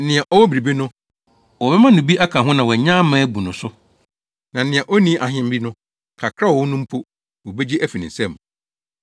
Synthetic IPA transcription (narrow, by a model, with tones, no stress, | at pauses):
nɪ̃˨ɛ˨ʔɔ˦wɔ˦bi˨ɾi˨bi˦nʊ̃˦ | wɔ˨bɛ˦mã˦nʊ̃˨bi˦ʔa˦kʰã˨ɦʊ̃˦nã˨wɔ˨ɲã˦mãː˦bu˨nʊ̃˨sʊ˦ | nã˨nɪ̃˨ɛ˨ʔɔ˦nĩ˦ʔa˨ɦɪ̃˦m̩˦bi˦nʊ̃˦ | kʰa˨kʰɾa˦˨wɔ˦nʊ̃˦m̩˦pʰo˦ | wo˨be˦d͡ʑi˦ʔæ˦fi˨nĩ˨sɛ̃˦˨m˨